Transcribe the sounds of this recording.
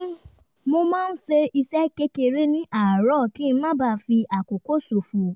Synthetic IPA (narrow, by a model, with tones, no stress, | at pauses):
mo˧mãː˦n̩˦se˧i˧sɛ˦ke˦ke˧ɾe˦nĩ˦ʔa˦˨ɾɔ˦˨kĩ˨˦˧mã˦ba˦˧˨fi˧a˨ko˨ko˦so˨fu˨